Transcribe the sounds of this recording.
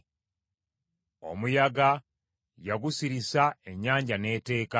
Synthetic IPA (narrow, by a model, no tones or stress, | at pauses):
o̞̰mujaɡa | jaɡusiɾisae̞ɲːaːɲɟane̞ːte̞ːka